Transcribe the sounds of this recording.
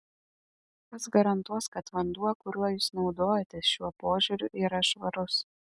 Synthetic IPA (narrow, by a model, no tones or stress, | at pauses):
kɐsɡɐɾɐnt̪uɔskɐt̪ʋɐnd̪uɔkʊɾʲuɔjuːsnɒʊd̪oːjɛt̪ʲɛsʃʲuɔpoːʒʲʊɾʲʊʔiːɾɐʃʋɐɾʊs